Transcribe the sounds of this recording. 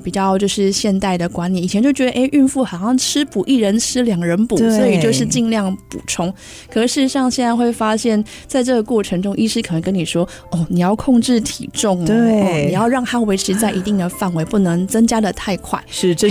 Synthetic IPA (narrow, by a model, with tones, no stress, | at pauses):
pi˨˩t͡ɕjɑ˥˧ʊt͡ɕjo˥˧ʊʂɻ̩˥˧ɕjɛ˥˧nt̪a˥˩ɪd̪ə˩kwa˧˥nli˨˩˨t͡ɕʰjɛ˧˥nt͡ɕjo˥˩ʊt͡ɕɥɛ˧˥ə˨˧ʔe˥ɪʔy˥˧nfu˥˩xa˨˩ʊɕjɑ˥˩ŋʈ͡ʂʰɻ̩˥pu˨˩ʔi˥˩ɻə˧˦˥nʈ͡ʂʰɻ̩˥ljɑ˨˩ŋɻə˧˦˥npu˨˩˥swɔ˧˥i˨t͡ɕjo˥˧ʊʂ̬ɻ̩˥˧t͡ɕi˥˧nljɑ˥˩ŋpṵ˨˩ʈ͡ʂʰʊ˥ŋ | kʰɤ˨˩ʂɻ̩˥˩˧ʂɑ˥˧ŋɕjɛ˥˧na˥˧ɪxwe˥˩ɪfa˥ɕjɛ˥˧n | t͡sa˥˧ɪʈ͡ʂɤ˥˩ɡə˩kwɔ˥˩ʈ͡ʂʰɤ˧˥ŋʈ͡ʂʊ˥ŋʔi˥˧ʂɻ̩˥kʰə˨˩nə˧˥ŋkə˦˥ni˨˩ʂwɔ˥ | ɔ˥˩ni˨˩jɑ˥˩ʊkʰʊ˥˧ŋʈ͡ʂɻ̩˥˩t̪ʰḭ˨˩ʈ͡ʂʊ˥˩ŋ˥˩ni˨˩jɑ˥˧ʊɻɑ˥˩ŋt̪a˥we˧˥ɪʈ͡ʂʰɻ̩˧˥t͡sa˥˩ɪʔi˧˥t̪i˥˩ŋd̪ə˩fa˥˩nwe˧˥ɪpu˥˩nɤ˧˥ŋt͡sɤ˥ŋt͡ɕja˥d̪ə˨t̪ʰa˥˧ɪkʰwa̰˥˩ɪʂɻ̩˥˩˧